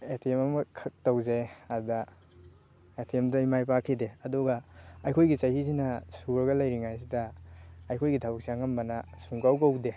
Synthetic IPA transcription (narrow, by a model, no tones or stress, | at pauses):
etʰiemɐmɐkʰɐk̚tawzeɐɾdɐ | etʰiemdaimajpakʰideɐduɡaɐjkʰojɡit͡ʃajhizinɐsuɾɡɐlɐjɾiŋajs̬idɐɐjkʰojɡitʰabak̚saŋambɐnɐ | suŋkawkawde